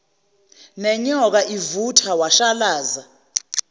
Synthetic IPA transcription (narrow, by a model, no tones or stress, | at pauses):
nɛɲɔk̬aʔivutʰawaʃalaːza